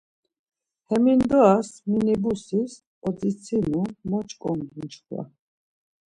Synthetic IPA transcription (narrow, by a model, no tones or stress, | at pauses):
hɛmind̪ɔasminɛbusis | ɔd͡z̪it͡sʰinumɔt͡ʃkʼɔŋɡint͡ʃχwa̰